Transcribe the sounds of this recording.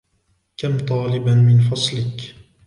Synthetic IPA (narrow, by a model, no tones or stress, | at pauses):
kamt̪ˤɑːlɪbanmɪnfɑsˤlɪk